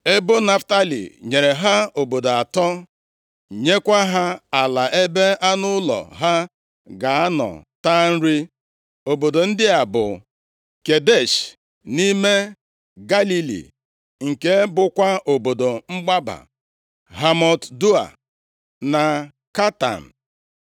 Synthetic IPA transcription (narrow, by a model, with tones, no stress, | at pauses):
e˦bo˦na˦fta˦lḭ˨ɲe˨ɾe˨ɦa˦o˨bo˨do˨a˨tɔ˦ | ɲe˦kʷa˦ɦa˦a˨la˨ʔe˦be˦a˦nʊ˦lɔ̰˨ɦa˦ | ɡa˨a˦nɔ̰˨ta˦n̩˦ɾi˦ | o˨bo˨do˨n̩˦dɪ˦a˨bʊ̰˨ | ke˨de˦˨ʃ | ni˦me˦ | ɡa˦li˦lḭ˨ | ŋ̩˨ke˦bʊ˦kʷa˦o˨bo˨do˨ŋ͡m̩˦ɡ͡ba˦ba̰˨ | ɦa˦mɔ˨tdu˦a̰˨ | na˨ | ka˦ta̰˨n̩˨